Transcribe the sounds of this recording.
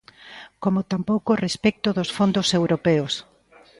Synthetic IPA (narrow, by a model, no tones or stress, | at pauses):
komot̪ampowkorespɛk̚t̪ʊðosfond̪osewɾopeos